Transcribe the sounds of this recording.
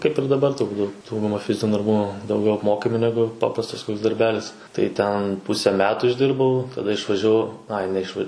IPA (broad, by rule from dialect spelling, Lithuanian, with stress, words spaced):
kɐɪp ɪr dɐˈbɐr tʊrˈbuːt ˈdɐʊɡʊmɐ ˈfʲɪzʲɪnʲuː dɐrˈbuː dɐʊˈɡʲɛʊ ɐpˈmoːkɐmʲɪ ˈnʲæːɡʊ ˈpɑːprɐstɐs dɐrʲˈbʲæːlʲɪs tɐɪ ˈtʲɛn ˈpʊsʲɛ ˈmʲæːtʊ ɪʒʲˈdʲɪrbɐʊ tɐˈdɐ ɪʃʋɐʒʲɛˈʋɐʊ ˈɐɪ nʲɛɪʃˈʋɐ